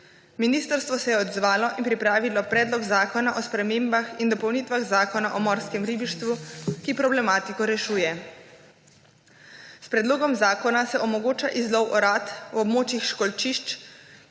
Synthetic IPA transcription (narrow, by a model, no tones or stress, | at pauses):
miniːst̪əɾst̪ʋɔsɛjɛɔd̪zʋaːlɔʔinpɾipɾaːʋilɔpɾɛːd̪lɔɡzaːkɔnaʔɔspɾɛmeːmbaxind̪ɔpɔwniːt̪ʋaɣzaːkɔnaʔɔmɔːɾskɛmɾiːbiʃt̪ʋukipɾɔblɛmaːt̪ikɔɾɛʃuːjɛ | spɾɛd̪loːɡɔmzaːkɔnasɛʔɔmɔɡoːt͡ʃaʔizlɔwʔɔɾat̪wɔbmoːt͡ʃixʃkɔlt͡ʃiʃt͡ʃ